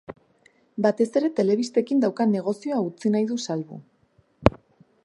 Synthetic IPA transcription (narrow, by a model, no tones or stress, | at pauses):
bat̪e̞se̞ɾe̞t̪e̞le̞β̞ist̪e̞kind̪awkane̞ɣ̞o̞sio̞aut͡sinajðusalβṵ